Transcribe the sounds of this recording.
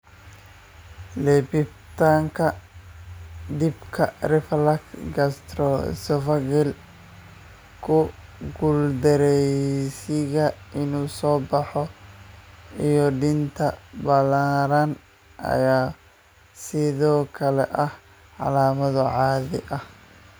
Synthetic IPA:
lɛbɪb | t̪ʰaːŋkʰɐ | d̪ɪbkʰɐrɪflɐkɡɐst̪ɾɔsɔfɐɡɛl | kʰʊɡʊld̪ɛɾɛjsɪɣɐɪnuːsɔːbɑħɔ | ijɔɖɪnt̪ʰɐbɐlaːɾɐn | ʔɐ̰jaː | sɪðɔːkʰɐlɛ̰ʔɐh | ʕɑ̰laːmɐðʊʕɑːðɪ̰ʔɐh

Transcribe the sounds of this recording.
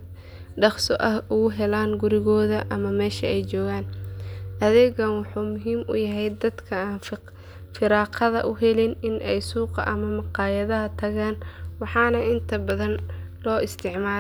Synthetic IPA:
ɖɑχsɔʔɐhʊɣʊɦɛlaːnɡʊɾɪɣɔːðɐʔɐmɐmɛːʃɐɛjt͡ʃɔːɣaːnʔɐðɛɣɐnwɑħuːmʊɦiːmʔʊ̰jɐɦɛjd̪ɐd̪kʰɐaːn | fɪɾɑːqʰɐðɐʔʊɦɛlɪnɪnʔɛjsuːqɑ̰ʔɐmɐmɑqɑːjɐðɐɦɐt̪ʰɐɣaːnwɑħɑːnɐʔɪnt̪ʰɐbɐðɐnlɔːɪst̪ʰɪʕmaː

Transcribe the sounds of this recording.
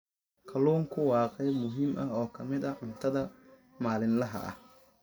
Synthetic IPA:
kʰɐluːŋkʰʊwɑːqɛjmʊɦiːmʔɐɦɔːkʰɐmɪd̪ɐʕʊnt̪ʰɐðɐ | maːlɪnlɐɦɐ̰ʔɐ̰h

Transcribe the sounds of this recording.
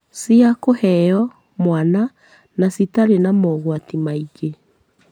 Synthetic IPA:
siakohɛjɔ | mwana | nasitaɾenamɔɣwatimaiɣe

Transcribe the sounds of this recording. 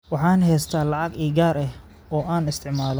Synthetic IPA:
wɑħɑːnɦɛːst̪ʰaːlɑʕɑɡiːɡaːɾɛh | ɔːʔaːnɪst̪ʰɪʕmaːlɔ

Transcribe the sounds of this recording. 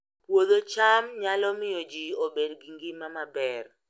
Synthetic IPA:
pwod̪ot͡ʃamɲalɔmɪjod͡ʒiobedɡiŋɡɪmamabɛr

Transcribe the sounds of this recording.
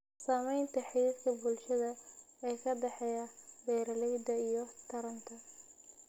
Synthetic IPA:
saːmɛjnt̪ʰɐħiskʰɐbʊlʃɐðɐɛːkʰɐd̪ɛħɛjabɛːɾɐlɛjd̪ɐijɞt̪ʰɐɾɐnt̪ʰɐ

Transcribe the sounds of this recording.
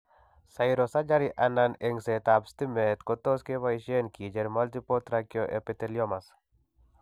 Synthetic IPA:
sajɾosad͡ʒaɾiʔananeŋset̪abst̪imet̪kot̪oskewaiʃenkid͡ʒeɾmalt̪ipot̪ɾakijoʔḛpet̪elijomas

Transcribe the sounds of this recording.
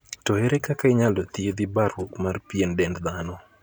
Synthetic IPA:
tɔheɾekakaɪɲalɔt̪ied̪ɪbaɾwokmarpijendɛndd̪anɔ

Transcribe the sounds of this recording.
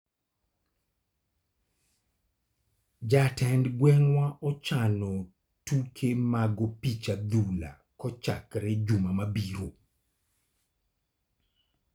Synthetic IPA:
d͡ʒatʰɛndɡwɛŋwaʔɔt͡ʃanɔ | tukʰemaɡopit͡ʃad̪ula̰ | kɔt͡ʃakɾɛd͡ʒumamabiɾo

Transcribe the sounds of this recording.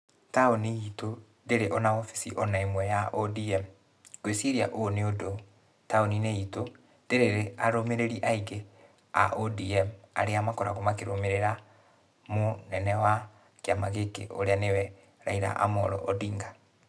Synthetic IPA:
taoniito | ndeɾeʔɔnaɔfisiʔɔnaemwɛjaʔɔdiɛm | koeseɾia̰ʔoneodo | taonineito | nd̥eɾeɾeaɾomeɾeɾiʔaiɣe | a̰ʔodiɛma̰ɾeamakɔɾaɣomakeɾomeɾeɾa | monɛnɛwa | keamaɣekḛʔo̰ɾeanewɛ | ɾaiɾa̰ʔa̰mɔɾɔ̰ʔɔdiŋɡa

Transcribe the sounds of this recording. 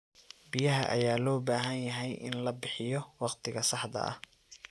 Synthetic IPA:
bɪjɐɦɐʔɐ̰jaːlɔːbaːɦɐnjɐɦɛjʔɪ̰nlɐbɪħɪjɔwɑqt̪ʰɪɣɐsɑħd̪ɐ̰ʔɐ̰h

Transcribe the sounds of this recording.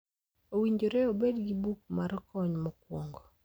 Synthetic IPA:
owiɲd͡ʒoɾɛobedɡibuk̚maɾɔkɔɲmɔkwoŋɡo

